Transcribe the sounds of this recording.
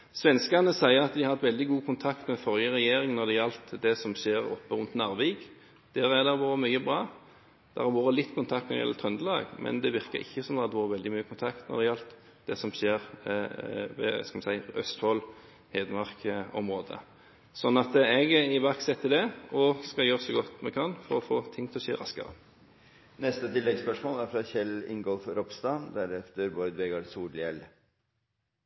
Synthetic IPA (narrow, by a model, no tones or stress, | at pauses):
sʋɛnskənəsæɪəʁɑt̪d̪ɪhɑt̪ʋɛld̪ɪɡuːkʰʊnt̪ʰɑkt̪mɛfɔɾjəʁɛjeːɾɪŋnɔd̪ɛjɛlt̪d̪ɛsɔmʃeːɾɔ̰pːəɾʉnt̪nɑʁʋeːɡ | d̪̥ɛʁæʁd̪ɛʁʋuːɾəmyʏəbʁɑː | d̪̥ɛʁɑɾʋoːɾəlɪt̪ːkʰʊnʰɑk̚t̪nɔd̪ɪjɛ̰ːət̪ʰʁœnd̪əlɑ̰ːɡmʔɛ̰nd̪ɛʋɪʁkə̰ɾɪ̰çːəsɔmd̪ɛhɑd̪ʋːuːʁəʋɛld̪ɪmyːəkʰʊnt̪ʰɑkt̪nɔ̰d̪ɛjɛlt̪ | d̪̥ɛsɔmʃeːʁ | ʋɛ̰skɑlmɛsæɪœ̰st̪fɔl | heːd̪əmɑʁkɔmʁoːd̪ə̰ | sɔnːɑt̪ɛɡæɪʋæksɛt̪ʰːɪd̪ɛɔskɑljøːɾsɔɡɔt̪mɛkʰɑnfɔɾɔfoːt̪ʰɪŋːt̪ʰɪlɔseːɾɑskə̰ɾə̰ | nɛst̪ət̪ʰɪlːɛɡspœʂmoːlæɾfɾɑçɛlɪ̰ŋɡɔlfɾɔpst̪ɑnd̪æɾɛft̪əɾbɔɾd̪ʋɛɡɑɖsuːɖɪɛl